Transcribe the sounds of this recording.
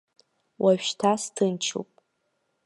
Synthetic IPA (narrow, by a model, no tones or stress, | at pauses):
wʔaʒᶣʃtʰastʰɨnt͡ʃʰṵwpʼ